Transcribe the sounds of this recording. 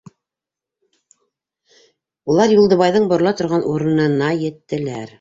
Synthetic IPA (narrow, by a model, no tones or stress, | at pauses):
ulˠɑɾjulˠd̪ɤ̆βɑjðɤɴbŏɾlˠɑt̪ŏɾʁɑnʔuɾɤ̆nɤ̆nɑjɘ̆t̪ːɘ̆læɾ